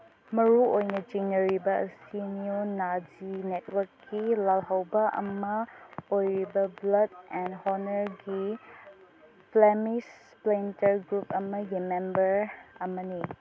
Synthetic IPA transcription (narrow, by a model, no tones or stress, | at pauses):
mɐɾuojnɐd͡ʒiŋnɐɾibɐɐsiniunad͡ʒinet̚wɐɾkːilalɦɐwbɐʔɐ̰mɐojɾibɐblɐdɛnhɔnɐɾɡi | pʰlemis | plentɐɾɡɾupɐmɐjemembɐɾɐmɐni